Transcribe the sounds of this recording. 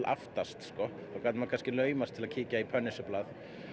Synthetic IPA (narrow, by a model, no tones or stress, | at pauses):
lʔa̰ft̪ast̪skɔ | akaːt̪makʰanscɪlœːɥmast̪ʰɪlaðcʰiːcaipʰœnɪsʏplaːð